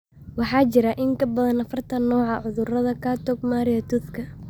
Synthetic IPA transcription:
wɑħɑːt͡ʃɪɾɐʔɪŋkʰɐbɐðɐnɐfɐrt̪ʰɐnːɔːʕɑʕʊðʊrɐðɐkʰaːt̪ʰɔɡ̚maːɾɪjɐt̪ʰuθkʰɐ

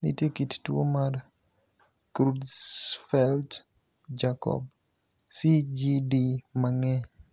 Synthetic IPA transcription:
nḭtjekittwo̰mar | kɾudsfɛlt | d͡ʒakɔ̰b̚ | sid͡ʒidimaŋɛ

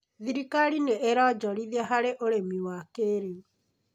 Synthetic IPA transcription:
ðiɾikaɾineʔeɾɔd͡ʒɔɾiðɛɦaɾeʔoɾemiwakeɾe

